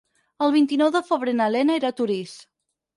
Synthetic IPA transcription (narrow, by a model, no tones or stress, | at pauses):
əlˠβint̪inɔwðəfəβɾenəlɛnaeɾat̪uɾis